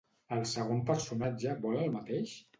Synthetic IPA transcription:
əlˠsəɣ̞ompəɾsunad͡ʒəbɔləlˠmət̪eʃ

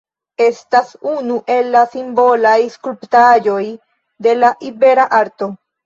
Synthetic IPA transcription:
e̞stasunuʔe̞lːasimbo̞lajskulptad͡ʒo̞j | d̪e̞laʔibe̞ɾaʔaɾto̞

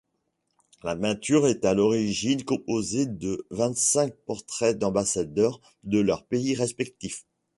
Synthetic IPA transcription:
lapɛ̃t̪yʁɛt̪alɔʁiʒinkɔ̃pozed̪əvɛ̃t̪sɛ̃k̚pɔʁt̪χɛd̪ɑ̃basad̪œʁ | d̪əlœʁpeiʁɛspɛk̚t̪if

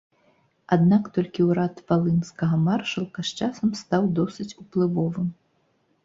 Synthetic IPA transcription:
ad̪nakt̪ɔlʲkʲiwɾat̪valˠɨnskɐɣɐmarʂɐlˠkɐʂt͡ʂasɐmst̪awd̪ɔsɨt͡sʲuplˠɨvɔvɨm

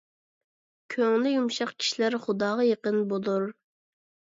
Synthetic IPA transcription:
kʲʰøŋlɪjumʃɑqkʲʰi̥ʃilæɾχʊd̪ɑːʁɑjeqənbolˠuɾ

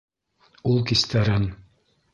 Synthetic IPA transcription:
ulˠkist̪æɾɘn

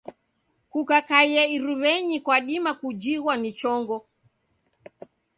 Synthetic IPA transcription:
kukakaiɛiɾuβɛɲikwaɗimakud͡ʒiɣwanit͡ʃɔŋɡɔ

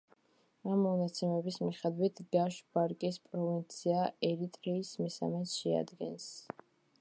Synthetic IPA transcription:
amːɔnat̪sʰɛmɛbismiχɛd̪wit̪ʰɡaʃbaɾkʼispʼɾɔvint̪sʰiaɛɾit̪ʼɾiːsmisa̰mɛsʃɛa̰d̪ɡɛ̰ns

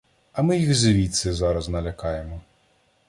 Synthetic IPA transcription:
ɐmɪjiɣzʲeʋʲit̪sɛzɑɾɐznɐlʲɐkɑjemɔ

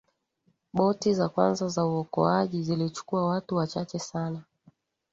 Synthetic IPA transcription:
ɓɔtizakwa̰nzazauɔkɔ̰aʄizilit͡ʃu̥kuawatuwat͡ʃat͡ʃɛsana

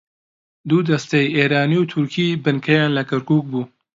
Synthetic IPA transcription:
d̪uːd̪ɐst̪ejeːɾaːniwt̪ʰʊɾkʰiːbɨnkʰɐjaːnlɐkʰɐɾkuːk̚buː

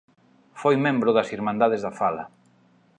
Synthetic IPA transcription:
fojmẽmbɾʊðɐsiɾmãnd̪aðezðafalɐ̰

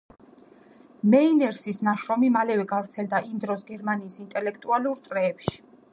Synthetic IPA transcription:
mɛinɛɾsisnaʃɾɔmimalɛvɛɡavɾt̪sʰɛld̪aʔimd̪ɾɔsɡɛɾmaniːsint̪ʼɛlɛk̚ʰt̪ʼualuɾt̪sʼɾɛːpʃi̥

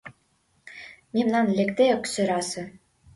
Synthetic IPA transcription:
mʲimnɑnlʲĕkt̪ʲeŏksɘ̆ɾɑsɤ̆

